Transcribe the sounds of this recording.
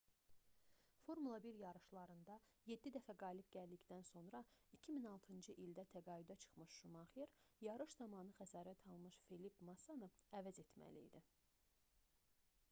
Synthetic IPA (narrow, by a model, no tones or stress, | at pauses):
fo̞ɾmulˠɑbiɾjɑɾɯʃlˠɑɾɯnd̪ɑ | je̞d̪ːid̪æfæɡɑːlibɟæld̪içd̪ænso̞nɾɑicʰiminɑlˠt̪ʰɯnd͡ʒɯʔild̪æt̪ʰæɡɑːyd̪æt͡ʃʰɯ̥χmɯʃʃumɑχeɾjɑɾɯʃzɑmɑnɯxæsɑːɾæt̪ʰɑlˠmɯʃfelipʰmɑsɑnoævæze̞t̪mæ̰lḭːd̪i